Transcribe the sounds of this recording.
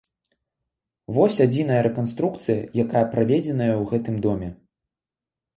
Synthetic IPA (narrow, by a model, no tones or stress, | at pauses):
vɔsʲad͡zʲin̪ɐjɐɾɛkanst̪ɾuk̚t̪sɨjɐ̰jakajɐpɾavʲɛd͡zʲɛnɐjɐwɣɛt̪ɨmd̪ɔmʲɛ